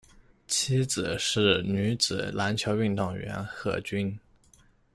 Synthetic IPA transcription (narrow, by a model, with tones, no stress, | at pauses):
t͡ɕʰi˥t͡sɹ̩˨˩ʂɻ̩˥˩ny˧˥t͡sɹ̩˨˩˦la˧˥nt͡ɕʰjo˧˥ʊy˥˧ŋt̪ɑ˥˩ŋɥɛ̰˧˥nxɤ̰˥˩t͡ɕy˥n